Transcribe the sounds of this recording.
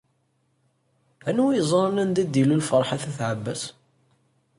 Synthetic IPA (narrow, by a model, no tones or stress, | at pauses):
ænujzˤɑɾˤnænd̪æd̪ilulfəɾˤħaθæθʕəbːæs